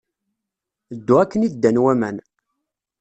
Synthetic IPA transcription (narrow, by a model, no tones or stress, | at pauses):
d̪ːuækːənid̪ːænwæmæn